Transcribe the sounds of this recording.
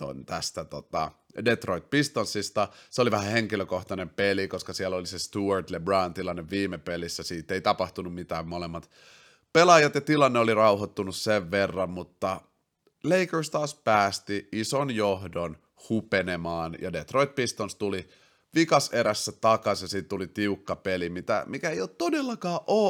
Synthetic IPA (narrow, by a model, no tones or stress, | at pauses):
o̰nt̪æst̪æt̪ot̪ɑ̰ | det̪roit̪̚pist̪onsist̪ɑseoliʋæhæheŋkiløkoht̪ɑnempelikoskɑsiɛlolisest̪uɑrt̪lebrɑːnt̪ilɑnːeʋʋiːmepelisːæsiːt̪ːˑeit̪ɑpɑht̪unummit̪æːmmolemːɑt̪ | pelɑjɑt̪jɑt̪ilɑnːeolirɑuhot̪ːunusseʋʋerːɑmmut̪ːɑ | leikəɹst̪ɑːspæːst̪iisonjohdon | hupenemɑːnjɑ̰det̪roit̪̚pist̪onst̪uli | ʋikɑseɾæsːæt̪ɑkɑsjɑsiːt̪t̪ulit̪iukːɑpelimit̪æ̰mikæeijoːt̪t̪odelːɑkɑːʔoː